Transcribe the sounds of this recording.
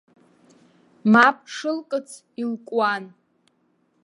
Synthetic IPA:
mapʰʼʂɨlkʼɨt͡sʰ | ilkʷʼwan

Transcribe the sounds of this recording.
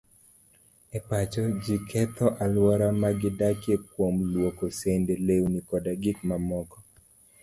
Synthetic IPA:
ɛpat͡ʃɔd͡ʒikʰɛt̪ʰɔʔalwɔɾamaɡɪdakjek̚womlwokosendelewnikɔdaɡikmamɔkɔ

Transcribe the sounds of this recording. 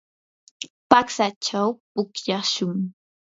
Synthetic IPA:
paksat͡ʃawpʊkjaʃʊŋ

